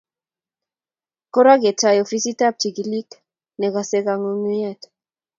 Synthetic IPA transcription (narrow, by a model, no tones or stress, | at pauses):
koɾaɣet͡ʃajofisit̪ap̚t͡ʃikilik | neɣaseɣaŋonuet̪